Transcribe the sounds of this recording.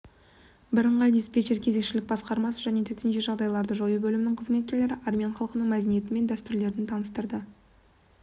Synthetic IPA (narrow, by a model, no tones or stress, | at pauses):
bɪɾəɴʁɑld̪ispʲet͡ʃeɾkʲʰe̞ze̞kʃɪlɪk̚bɑsqɑɾmɑsəʒæne̞t̪ʰɵt̪enʃe̞ʒɑʁd̪ɑjlˠɑɾd̪əʒojəbɵlɪmɪnɪŋqʰəzme̞t̪̚kʲe̞le̞ɾɪʔarmʲijɑnχɑlˠəqənəɴmæd̪enije̞t̪ɪme̞nd̪æst̪ʏɾle̞ɾd̪ɪnt̪ʰɑnəst̪əɾd̪ə